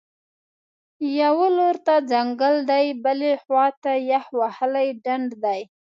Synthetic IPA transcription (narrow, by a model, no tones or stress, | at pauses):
jawəloɾt̪ad͡zaŋɡəld̪ajbəlexwɑt̪ajahwahəlajɖaɳɖd̪aj